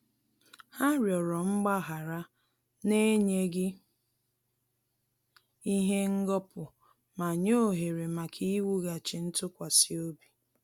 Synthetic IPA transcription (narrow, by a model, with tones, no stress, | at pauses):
ha˦ɾjɔ˨ɾɔ˨ŋ͡m̩˦ɡ͡ba˦ɦa˨ɾa˦ | ne˦ɲe˦ɡɪ˦ | i˦ɦe˦ŋ̩˦ɡɔ˦pʊ˨ | ma˨ɲo˦˨ɦe˨ɾe˨ma˨kʰi˦wu˦ɣa˨t͡ʃɪ˨n̩˦tʊ˦kʷa˨si˦o˦bi˨